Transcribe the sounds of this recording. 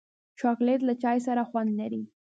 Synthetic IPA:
t͡ʃɑklet̪lat͡ʃɑjs̬aɾaxwand̪laɾi

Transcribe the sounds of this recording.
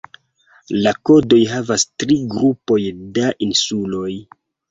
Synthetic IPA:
lakodo̞jɦavastɾiɡɾupo̞jdaʔinsulo̞j

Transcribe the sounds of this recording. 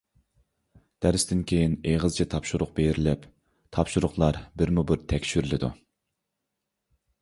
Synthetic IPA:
d̪̥æɾɪsd̪ɪnkʲʰejineʁəzt͡ʃʰɛt̪ʰɑpʃuɾʊq̚bejɾɪlɪp | t̪ʰɑpʃuɾʊχlˠɑɾbɪɾmubɪɾt̪ʰɛkʲʃyɾlɪd̪ṵ

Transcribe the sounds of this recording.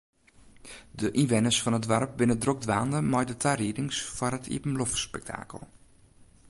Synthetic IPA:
dəʔinʋɛnəsfɔnɦədʋarp̚bɪnədrok̚dʋaːndəmɔjdətʰaridɪŋsfɔrətʰḭəpəmlɔfspɛ̰k̚tʰa̰ːkə̰lˠ

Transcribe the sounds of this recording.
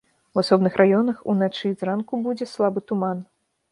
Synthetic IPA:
wasɔbnɨxrʔajɔnɐxṵnat͡ʂɨzrankubud͡zʲɛslˠabɨt̪uman

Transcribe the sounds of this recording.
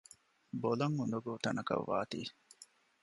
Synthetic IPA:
bolɐŋːund̪uɡoːt̪ɐnɐkɐ̰ʋːa̰ːt̪ḭː

